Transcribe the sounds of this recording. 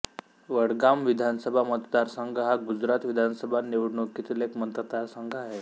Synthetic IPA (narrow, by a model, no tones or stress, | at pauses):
ʋəɽɡamʋid̪ʱansəbʱamət̪d̪aɾsəŋɡɦaɡud͡zɾat̪ʋid̪ʱansəbʱaneʋɽɳokit̪ilekmənt̪ət̪aɾsəŋɡʱaɦe